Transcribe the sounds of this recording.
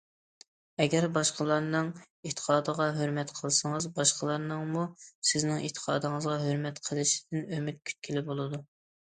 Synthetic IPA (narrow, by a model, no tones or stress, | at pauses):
ɛɡʲɛɾbɑʃqəlˠɑɾnɨŋ | et̪ʰə̥qʰɑːd̪əʁɑɦøɾmɛt̪qʰəlˠsɨŋəzbɑʃqəlˠɑɾnɨŋmusɪznɪŋʔḛt̪ʰə̥qʰɑ̰ːd̪ɨŋəzʁɑɦøɾmɛt̪qʰəlˠɨʃi̥d̪ɪnømɪt̪̚kʲʰy̥t̪̚kʲʰilɪbolˠɨd̪u